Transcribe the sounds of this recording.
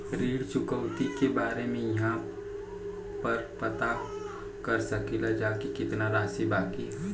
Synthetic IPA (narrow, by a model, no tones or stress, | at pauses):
ɾiːɽt͡ʃʊkəwt̪ikebaːɾemẽjɐɦã | pɐɾpɐt̪a | kɐɾsɐkilad͡ʒaːkikɪt̪naɾaːsibaːki